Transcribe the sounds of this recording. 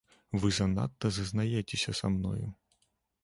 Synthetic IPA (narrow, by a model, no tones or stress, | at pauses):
ʋɪzɐnɑ̰t̪ːɐzɐznɐjɛtʲɪsʲɐsɐmnɔ̰jʊ̰